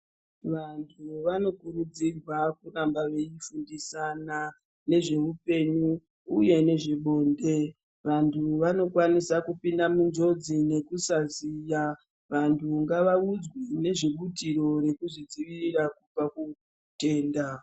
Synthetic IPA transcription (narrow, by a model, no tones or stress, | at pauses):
ʋantʰuʋano̞kurud͡zirwakurambaʋe̞ifundisana | ne̞ʐe̞ʋupe̞ɲuː | je̞ne̞ʐiɓo̞ːnde̞ | ʋantʰuʋano̞kwanisakupindamund͡ʒo̞d͡zine̞kusazija | ʋantʰuŋɡaʋaud͡zwine̞ʐiɓutiɾo̞ɾe̞kuʐid͡ziʋirirakupaku | te̞ːnda